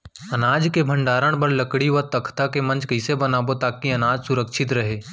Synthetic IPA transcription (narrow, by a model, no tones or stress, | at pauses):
ɐnaːd͡ʒkebʱɐ̃ɳɖaːɾəɽ̃bɐɾlɐkɽiʋəɾt̪ɐkʰt̪akemɐ̃nt͡ʃkɐɪsebɐnaːbot̪aːkiɐnaːd͡ʒsʊɾəkʃʰɪt̪ɾɐɦeː